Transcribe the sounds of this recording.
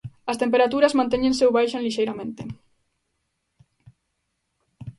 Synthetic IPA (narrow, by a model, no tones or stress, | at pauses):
ɐst̪empeɾat̪uɾɐzmãnt̪eɲẽnsewβajʃãnliʃejɾamẽnt̪e